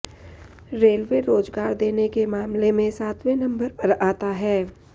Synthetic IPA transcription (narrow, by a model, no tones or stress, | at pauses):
ɾeːlʋeɾoːd͡ʒɡaːɾd̪eːnekemaːmlemẽsaːt̪ʰwẽnɐ̃mbəɾpɐɾaːt̪aɦɛː